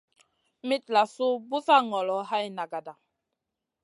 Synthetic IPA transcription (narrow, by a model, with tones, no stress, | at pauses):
mi˦t̚la˨su˦bu˦sa˦ŋɔ˨lɔ˨˦ha˦jna˨ɡa˨da˨